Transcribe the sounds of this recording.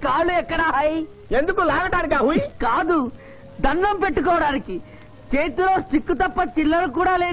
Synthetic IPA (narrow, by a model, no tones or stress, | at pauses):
kaːɭuɛkːɐɽaɦɐj | end̪ukulaːɡɐʈaːɾkaːɦukaːd̪u | d̪ɐnːɐmpe̞ʈːukɔːʋɐɽaːniki | t͡ʃeːt̪iloːsʈikːut̪ɐpːɐt͡ʃilːɐɾuk̬uːɽaːleː